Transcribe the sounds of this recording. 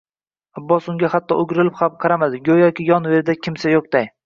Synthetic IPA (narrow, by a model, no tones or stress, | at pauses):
abːɒsʊŋɡʲahat̪ʰːɒʊɡʲɾɪlɪpχapqʰɑɾamad̪ɪɡʲojɒkʲɪjɒnve̞ɾɪd̪akʲʰɪmsajoq̚d̪̥aj